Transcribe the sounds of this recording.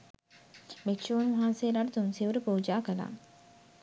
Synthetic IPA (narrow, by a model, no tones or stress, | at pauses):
mekʃoːunʋɐɦãnseːlaːʈət̪unsiʋuɾəpoːd͡ʒaːkəla̰ː